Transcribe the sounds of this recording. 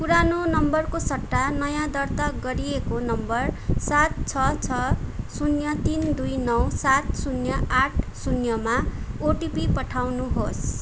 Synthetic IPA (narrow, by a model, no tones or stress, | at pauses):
puɾanonʌmbʌrkosʌʈːanʌjãd̪ʌrt̪aɡʌɾiekonʌmbʌrsat̪̚t͡sʰʌt͡sʰʌsunjʌt̪ind̪ujnʌwsat̪sunjʌʔaʈʰsunjʌmaoʈipipʌʈʰawnuɦos